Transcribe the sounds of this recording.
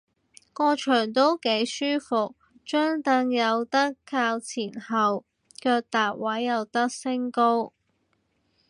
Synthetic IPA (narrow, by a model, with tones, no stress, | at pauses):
kɔː˧t͡ʃʰœː˨˩ŋt̪o˥wke˨˥jsyː˥fʊ˨k̚ | t͡ʃœː˥ŋt̪ɐ˧ŋjɐ˨˧wt̪ɐ˥kʰːaː˧wt͡sʰiː˨˩nhɐ˨w | kœː˧k̚t̪aː˨p̚wɐ˨˥jːɐ˨˧wt̪ɐ˥k̚sɪ˥ŋko˥w